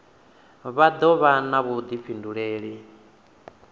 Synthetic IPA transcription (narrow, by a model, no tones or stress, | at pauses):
βad̪ɔβanaβud̪ip̪fʰinduɺeːɺi